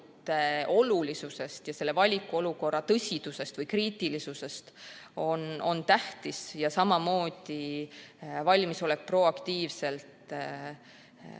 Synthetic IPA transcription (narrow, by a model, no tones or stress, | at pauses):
t̪o̞lulisuse̞st̪jɑse̞lːe̞vɑlʲikːˑuo̞luko̞rːɑt̪ɤsʲid̪̥use̞st̪vɤjkriːt̪ˑilisuse̞st̪o̞no̞nt̪æht̪isjɑsɑmɑmo̞ːd̪̥i | vɑlʲmiso̞lekpro̞ɑkt̪iːvse̞lt̪